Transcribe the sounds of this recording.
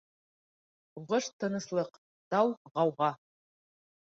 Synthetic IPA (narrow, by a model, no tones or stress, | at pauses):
uʁəʂt̪ʰːɨnɨslˠəq | d̪̥awʁɑwʁɑ